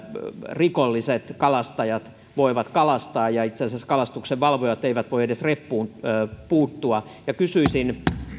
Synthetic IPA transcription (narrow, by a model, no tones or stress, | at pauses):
rikolːiset̪kɑlɑst̪ɑjɑt̪ | ʋoiʋɑt̪kɑlɑst̪ɑːjɑit̪sensæskɑlɑst̪ukseʋʋɑlʋojɑt̪ːeiʋæt̪ʋoiedesrepːuːnpuːt̪ːuɑjɑkysyisin